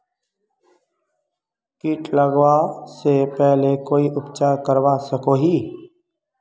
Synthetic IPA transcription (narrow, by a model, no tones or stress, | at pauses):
kiːʈləɡwasepɛɦlekoːiʔʊpt͡ʃaːɾkəɾwasəkoɦiː